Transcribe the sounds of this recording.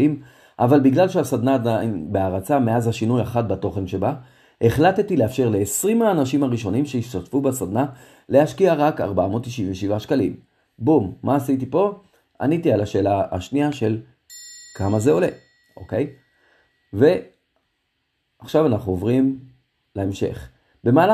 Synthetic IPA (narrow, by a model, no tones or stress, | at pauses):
im | ʔavalbiɡlalʃeasad̪naːd̪ajnbe̞aʁat͡same̞azaʃinujaχat̚bato̞χe̞nʃe̞ba | ʔeχlattileafʃe̞ʁle̞ːsʁimaːnaʃimaʁiʃo̞nimʃeiʃt̪atfubasad̪na | le̞haʃkiaʁaka̰ʁbaamo̞t̪ːiʃinveʃivaʃkalḭm | bumːaːsit̬ipo̞ | a̰nitialaʃe̞ːlaa̰ʃniaʃe̞l | kamazeo̞le̞ | ʔo̞ke̞j | ve̞ | aχʃavanaχnuovʁim | laemʃe̞̰χ | be̞maːl